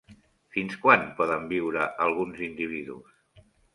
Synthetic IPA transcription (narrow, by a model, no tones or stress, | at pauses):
finskwanpɔðəmbiwɾəʔəlˠɣunzind̪iβ̞iðṵs